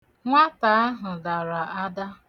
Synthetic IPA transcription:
ŋʷa˦ta˨˦a˦ɦʊ˨la˨ɾa˨a˦da˦

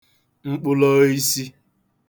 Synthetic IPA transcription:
ŋ͡m̩˦k͡pʊ˦lɔ˦i˦si˦

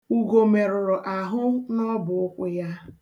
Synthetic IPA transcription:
u˨ɡo˨me˨ɾʊ˨ɾʊ˨ʔa˨ɦʊ˦nɔ˦bʊ˨ʊ˦kʷʊ˦ja˦

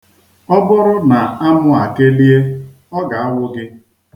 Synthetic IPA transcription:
ɔ˦bʊ˦ɾʊ˦na˨a˦mʊ˦a˨ke˦li˦e˦ | ɔ˦ɡa˨a˦wʊ˦ɡɪ˦

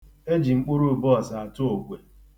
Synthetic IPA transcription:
e˦d͡ʒi˨ŋ͡m̩˦k͡pu˦ɾu˦˨bɔ˦˨sa˨a˨tʊ˦o˨ɡʷe˨

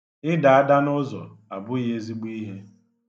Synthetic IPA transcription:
ɪ˦da˨a˦da˦nʊ˦zɔ̰˨ | a˨bʊ˦je˦zi˦ɡ͡bu˦i˦ɦe˦

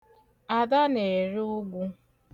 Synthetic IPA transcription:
a˨da˦ne˨e˨ɾɪ˦ʊ˦ɡʷu˦

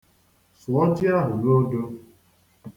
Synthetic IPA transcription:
sʊ˨ɔ˦d͡ʒi˦a˦ɦʊ˨ɾo˦do˦

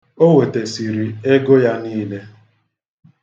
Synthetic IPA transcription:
o˦we˨te˨si˨ɾi˨e˦ɡo˦ja˦niː˦le˦

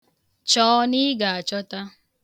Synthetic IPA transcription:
t͡ʃɔː˦ni˦ɡa˨t͡ʃɔ˦t̪a˦

